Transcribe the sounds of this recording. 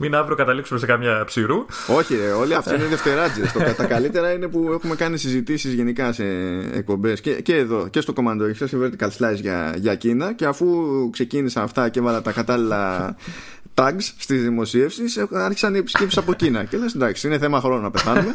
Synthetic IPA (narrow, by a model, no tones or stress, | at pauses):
minɐvɾokɐt̪ɐliksumesekɐmɲɐpsiɾu | o̞çieo̞liɐft̪oineðe̞ft̪e̞ɾɐd͡zest̪oɐt̪ɐkɐlit̪e̞ɾɐine̞pue̞xume̞kɐnisizit̪isizʝe̞nikɐse̞ḛk̚po̞mbe̞scece̞ːðo̞ce̞st̪o̞ko̞mɐnd̪osɐseveɾet̪ekɐlslɐisʝɐ̰ʝɐcinɐce̞ɐfukse̞cinisɐnɐft̪ɐcevɐlɐt̪ɐkɐt̪ɐlilɐ | t̪ɐɡsst̪izðimo̞sie̞fsiseɐɾçi̥sɐniepi̥scepsi̥sɐpocinɐceleɐsed̪ɐksiine̞θe̞mɐxɾo̞nonɐpe̞θɐnume̞